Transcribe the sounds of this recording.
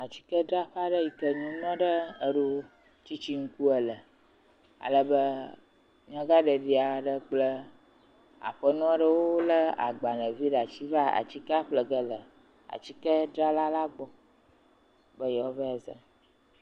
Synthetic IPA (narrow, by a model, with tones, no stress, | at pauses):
a˨t͡ɕi̥˦kə˦ɖɾa˦ɸa˦ɖə˦ji˨kə˦ɲũ˦nɔ̃˦ɖə˦ə˨ɖu˦ | t͡ɕi˦t͡ɕi˦ŋ̩˦ku˦ə˨lə˨ | a̰˨lə˦bə˦ | ɲã˦ɡa˦ɖə˨ɖi˨a˨ɖə˦k͡plə˦ | a̰˨ɸə˦nɔ̃˦ɖə˦wo˦lə˦a̰˨ɡ͡ba˨nə̃˨vi˦ɖa˨t͡ɕi˦va˦a̰˨t͡ɕi˦ka˦ɸlə˨ɡə˦lə˨ | a̰˨t͡ɕi˦kə˦ɖɾa˦la˦la˦ɡ͡bɔ˦ | bə˦jɛ˨ɔ˦və˦a˨zə̰˨